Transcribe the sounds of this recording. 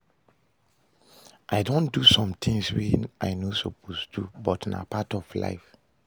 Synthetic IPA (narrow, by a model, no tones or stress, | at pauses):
ʔaɪdõndusɔ̃mt̪ʰĩŋswina̰ɪnosopʰosdubɔtna̰patɔfla̰ɪf